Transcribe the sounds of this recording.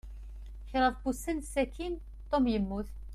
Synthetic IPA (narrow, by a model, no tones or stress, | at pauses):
çɾˤəðbusinsːækin | t̪ˤːomjəmːuθ